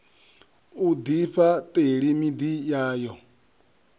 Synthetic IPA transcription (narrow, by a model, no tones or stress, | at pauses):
ud̪iɸatʼeɺimid̪ijaːjɔ